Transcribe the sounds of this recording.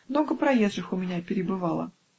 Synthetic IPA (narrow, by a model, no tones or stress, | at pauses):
mno̞ɡəpɾɐjezʐɨxʊmʲɪnʲæpʲɪɾʲɪbɨvɑlˠə̰